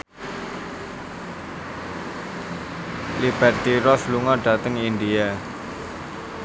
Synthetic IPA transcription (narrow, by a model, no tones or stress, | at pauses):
lib̥ɛrt̪iɾɔsluŋɔɖ̥a̤t̪əŋind̪ia